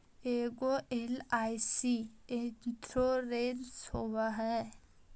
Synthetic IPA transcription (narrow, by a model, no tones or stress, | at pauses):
eːɡoʔelaːsiet̪ɾoɾeɾshowaɦɛ